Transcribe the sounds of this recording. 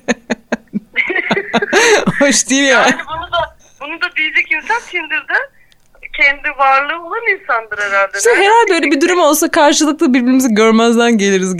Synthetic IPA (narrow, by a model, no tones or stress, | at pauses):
hoʃd̪ijiljanbunud̪a | bunud̪ad̪ijid͡ʒɛcint̪ʰamt̪ʰind̪iɾd̪ɪ | cʰɛnd̪ivaɾlˠɯːolˠaninsand̪ɯɾeɾalʲd̪ɛsizɦe̞ɾalʲd̪ɛøjlʲebid̪uɾymo̞lˠsakʰaɾʃɯlˠɯk̚lˠabiɾbiɾimizɛɟøɾmæzd̪anɟe̞lʲiɾiz